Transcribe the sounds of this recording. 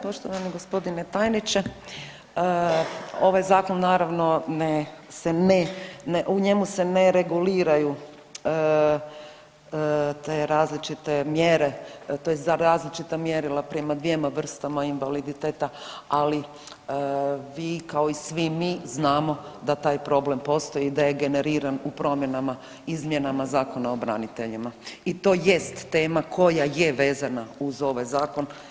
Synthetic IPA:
po̞ʃt̪oʋaniɡo̞spo̞d̪inet̪aːjnit͡ʃe | ə | o̞ʋajzaːkonːaːɾaʋno̞nesenenʔuɲe̞muse̞neɾeɡuliːɾaju | ə | t̪eɾaːzlit͡ʃit̪e̞mjeɾe̞t̪ojeszaɾaːzlit͡ʃit̪amjeɾilapɾemad̪ʋiemaʋr̩st̪amainʋalid̪it̪eːt̪aali | ʋiːkao̞isʋimiznaːmo̞d̪at̪aːjpɾo̞ble̞mpo̞st̪o̞jid̪ajeɡe̞ne̞ɾiːɾanupɾo̞mje̞nama | izmje̞namazaːko̞naobɾa̰nit̪e̞ʎimait̪o̞ːje̞st̪ːe̞ːmakʰo̞jaje̞ʋe̞ːzanauzo̞ʋajzaːko̞n

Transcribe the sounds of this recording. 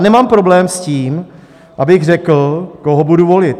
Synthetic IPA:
nɛmaːmpɾo̞blɛːmsciːm | ʔabɪɣrɛkl̩koɦobuduvolɪt̪

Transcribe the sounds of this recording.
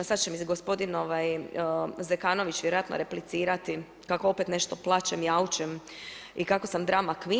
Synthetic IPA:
sad̪t͡ɕemiɡospo̞d̪ino̞ʋaj | zekaːno̞ʋit͡ʃʋjeɾojat̪no̰ɾeplit̪siːɾat̪i | kako̞opet̪ne̞ʃt̪o̞plˠat͡ʃemjaut͡ʃem | ikako̞samd̪ɾamakʋi

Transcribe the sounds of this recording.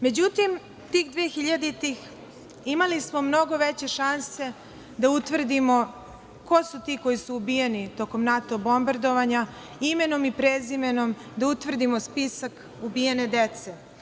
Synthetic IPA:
me̞d͡ʑut̪im | t̪iːxd̪ʋeːxiʎad̪it̪ix | imalismo̞mno̞ɡo̞ʋet͡ɕe̞ʃanse̞ | d̪aut̪ʋr̩d̪imo̞ | ko̞sut̪iːko̞jisuːbijenit̪o̞ko̞mnat̪obo̞mbard̪o̞ʋaɲa | ime̞no̞mipɾezime̞no̞m | d̪aut̪ʋr̩d̪imo̞spisak | ubijene̞d̪et̪se

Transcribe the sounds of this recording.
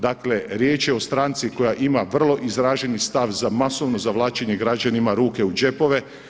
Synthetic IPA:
d̪akle̞ɾjeːt͡ʃjeo̞st̪ɾaːnt̪siko̞jaʔimaʋr̩lˠo̞ʔizɾaːʒenist̪aʋzamasoʋno̞zaʋlˠaːt͡ɕeɲe̞ɡɾad͡ʑanimaɾuːke̞ud͡ʑe̞po̞ʋe̞

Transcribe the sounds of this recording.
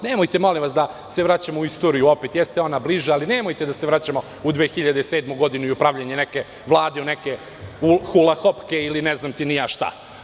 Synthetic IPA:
nemojt̪e̞mo̞limʋasd̪a | se̞ʋɾat͡ɕamouist̪o̞ɾijuo̞pet̪jest̪eo̞nabliʒaalinemo̞jt̪ed̪aseʋɾat͡ɕamo | ud̪ʋeːxiʎad̪ese̞ːd̪muɡo̞d̪inuiupɾaʋʎeɲeneke̞ | ʋlˠaːd̪euneke | uxulˠaxopke̞ilineznaːmt̪inijaʃt̪a̰

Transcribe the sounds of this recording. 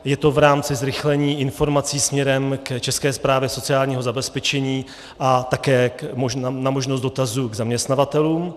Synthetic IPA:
jɛt̪o̞vɾaːmt͡sɪzɾɪxlɛɲiːʔɪnfo̞ɾmat͡siːsmɲɛɾɛmkt͡ʃɛskɛːspɾaːvjɛso̞t͡sɪaːlɲiːɦozabɛspɛt͡ʃɛɲiː | ʔat̪akɛːmoʒanamo̞ʒnoszd̪do̞t̪azuːɡzamɲɛst̪navat̪ɛluːm

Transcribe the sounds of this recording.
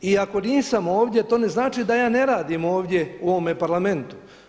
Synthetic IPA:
iako̞niːsamo̞ːʋd̪ʲje̞t̪o̞ːne̞znaːt͡ʃid̪ajaːne̞ɾaːd̪imo̞ːʋd̪ʲje̞uoʋomepaɾlame̞nt̪u̥

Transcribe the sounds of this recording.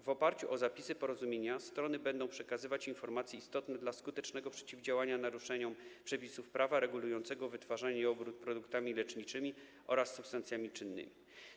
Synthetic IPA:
vɔpaɾt͡ɕuʔɔzapʲisɘpɔɾɔzumʲjeɲast̪ɾɔnɘbɛnd̪ɔ̃w̃pʂɛkazɘvat͡ɕinfɔɾmat̪sʲjɛist̪ɔt̪nɛd̪laskut̪ɛt͡ʂnɛɡɔpʂɛt͡ɕivd͡ʑawaɲanaɾuʂɛɲɔmpʂɛpʲisufpɾavaɾɛɡulujɔnt̪sɛɡɔvɘt̪faʐaɲɛɔbɾut̪̚pɾɔd̪ukt̪amʲilɛt͡ʂɲit͡ʂɘmʲi | ʔɔɾasːupst̪ant̪sʲjamʲit͡ʂɘnːɘ̰mʲi

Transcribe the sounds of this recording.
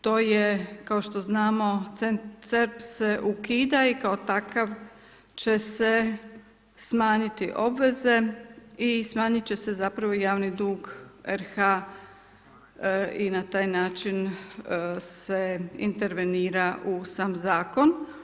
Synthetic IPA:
t̪o̞ːjekaoʃt̪o̞znaːmo̞t̪senseɾpse̞ʔukiːd̪aikaot̪akaʋ | t͡ɕe̞se̞ | smaːɲit̪iʔo̞bʋe̞ze̞ismaːɲit͡ɕe̞se̞zapɾaʋojaːʋnid̪uːɡeɾxa | inat̪aːjnaːt͡ʃin | seḭnt̪e̞ɾʋeniːɾaʔusaːmzaːko̞n

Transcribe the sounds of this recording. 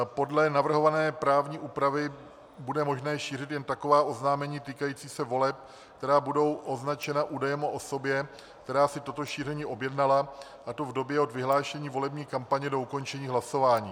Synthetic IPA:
po̞dlɛnavr̩ɦo̞vanɛːpɾaːvɲiːʔuːpɾavɪ | budɛmo̞ʒnɛːʃiːrɪt̪jɛnt̪ako̞vaːʔo̞znaːmɛɲiːt̪iːkajiːt͡siːsɛvo̞lɛp̚ | k̚t̪ɛɾaːbudo̞wʔo̞znat͡ʃɛnaʔuːdajɛmoʔoso̞bjɛ | k̚t̪ɛɾaːsɪt̪o̞t̪o̞ʃiːr̝ɛɲiːʔo̞bjɛdnala | ʔat̪o̞vdo̞bjɛo̞d̪vɪɦlaːʃɛɲiːvo̞lɛbɲiːkampaɲɛdo̞uko̞nt͡ʃɛɲiːɦlaso̞vaːɲiː

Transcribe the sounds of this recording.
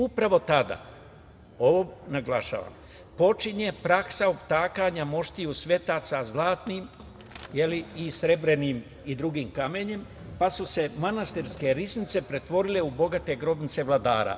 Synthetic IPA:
upɾaʋo̞t̪ad̪a̰ | o̞ʋonaɡlaʃa̰ːʋa̰m | po̞t͡ʃiɲe̞pɾaksaopt̪aːkaɲamo̞ʃt̪ijusʋe̞t̪aːt̪sazlˠaːt̪nim | je̞liisɾe̞bɾe̞niːm | id̪ɾuɡiːmkame̞ɲe̞m | pasuse̞manast̪iɾske̞ɾisnit̪se̞pɾe̞t̪ʋo̞ɾile̞ubo̞ɡat̪e̞ɡɾo̞bnit̪se̞ʋlˠad̪aːɾa̰

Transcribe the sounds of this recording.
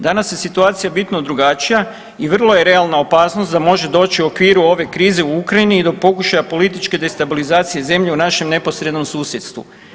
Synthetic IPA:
d̪anasje̞sit̪uaːt̪sijabit̪nod̪ɾuɡat͡ʃija | iʋr̩lˠo̞je̞ɾe̞alnao̞paːsnost̪d̪amo̞ʒe̞d̪o̞ːt͡ɕiuo̞kʋiːɾuo̞ʋe̞kɾiːze̞uukɾainiːd̪o̞po̞kuʃajapo̞lit̪it͡ʃke̞d̪e̞st̪abilizaːt̪sije̞ze̞mʎe̞unaʃe̞mne̞po̞sɾe̞d̪no̞msuːsjet̪st̪ʋṵ

